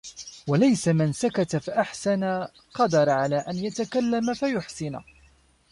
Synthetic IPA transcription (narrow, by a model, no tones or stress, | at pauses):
walajsamɪnsakat̪afaʔaħsana | qɑd̪ɑɾˤʕalaːʔanjat̪akalːamafajʊħsɪn̰